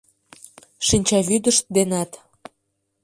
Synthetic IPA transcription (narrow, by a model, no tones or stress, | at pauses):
ʃinʲt͡ɕɑβyd̪əʃt̪̚d̪enɑt̪